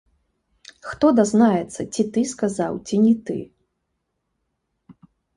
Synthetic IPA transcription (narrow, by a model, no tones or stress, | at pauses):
xt̪ɔd̪aznajɛt̪sːɐt͡sʲit̪ɨskazawt͡sʲinʲɛt̪ɨ̰